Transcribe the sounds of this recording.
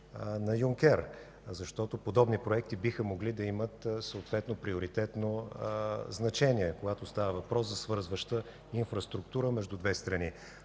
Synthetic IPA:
nɐjuŋkʲɛɾ | zɐʃt̪ɔt̪opod̪ɔbnipɾoɛk̚t̪ibixəmoɡlid̪ɐimət̪səot̪vɛt̪nopɾioɾit̪ɛt̪no | znɐt͡ʃɛniɛkoɡat̪ost̪avəvɐpɾɔszɐsvɤɾzvəʃt̪ə | infɾɐst̪ɾukt̪uɾəmɛʒd̪ud̪vɛst̪ɾɐni

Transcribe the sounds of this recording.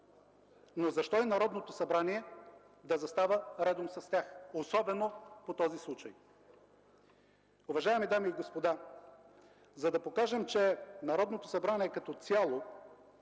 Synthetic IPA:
nozɐʃt̪ɔinɐɾɔd̪not̪osɐbɾaniɛ | d̪ɐzɐst̪avəɾɛd̪omsɐst̪ʲaxosɔbɛnopot̪ɔzislˠut͡ʃɐj | uvɐʒaɛmid̪amiːɡospod̪a | zɐd̪ɐpokaʒɛmt͡ʃɛnɐɾɔd̪not̪osɐbɾaniɛkɐt̪ɔt̪sʲalˠo

